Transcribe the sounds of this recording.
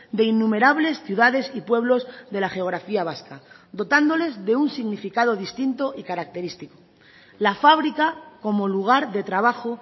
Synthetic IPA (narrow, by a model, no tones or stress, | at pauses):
d̪e̞inːume̞ɾaβ̞le̞sθjuðaðe̞sipwe̞βlo̞zðe̞laxe̞o̞ɣ̞ɾafiaβ̞askad̪o̞t̪and̪o̞le̞zðe̞unsiɣnifikaðo̞ðist̪int̪o̞ʔikaɾak̚t̪e̞ɾist̪iko | lafaβ̞ɾikako̞mo̞luɣ̞aɾðe̞t̪ɾaβ̞axo